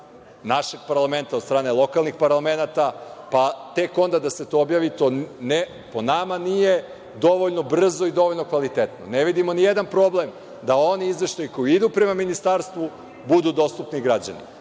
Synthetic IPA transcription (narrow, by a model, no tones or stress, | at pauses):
naʃe̞ɡ̚paɾlˠame̞nt̪ad̪st̪ɾaːne̞lˠo̞kalˠnixpaɾlˠame̞nat̪apat̪e̞ko̞nd̪ad̪ase̞t̪o̞objaːʋit̪o̞ne | po̞namanije | d̪o̞ʋo̞ʎno̞br̩zo̞id̪o̞ʋoʎnokʋalit̪e̞t̪no̰ne̞ʋid̪imo̞nijed̪anpɾo̞ble̞m | d̪ao̞niizʋe̞ʃt̪ajiko̞jiid̪upɾe̞maminist̪aɾst̪ʋu | bud̪uːd̪o̞st̪upniɡɾad͡ʑa̰nḭ